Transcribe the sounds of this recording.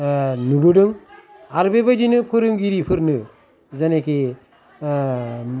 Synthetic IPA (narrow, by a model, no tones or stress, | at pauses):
nubɯɖɯŋ | aɾbebajdinɯpʰɯɾɯŋɡiɾipʰɯɾnɯ | zeneke